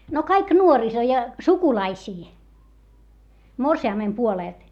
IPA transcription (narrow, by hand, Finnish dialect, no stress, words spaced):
no kɑik nuoriso jɑ sukulɑisiː morsiɑˑmːem puoleˑlt